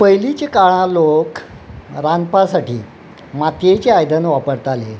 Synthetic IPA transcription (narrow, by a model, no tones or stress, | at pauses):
pəjlit͡ɕekaɭ̃ãlok | ɾanpasaʈiː | mat̪jet͡ɕeajd̪ənʋapəɽt̪ale